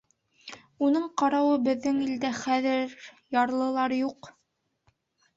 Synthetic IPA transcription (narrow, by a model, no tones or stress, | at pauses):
unɤɴqɑɾɑwɤbɘ̆ðːɘŋild̪æχæðɘɾ | jɑɾlˠɤ̆lˠɑɾjuq